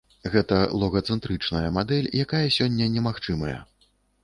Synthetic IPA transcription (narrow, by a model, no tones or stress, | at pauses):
ɣɛt̪ɐlˠɔɣɐt̪sɛnt̪ɾɨt͡ʂnɐjɐmad̪ɛlʲjakajɐsʲɔnʲːɐnʲɛmaxt͡ʂɨmɐjɐ̰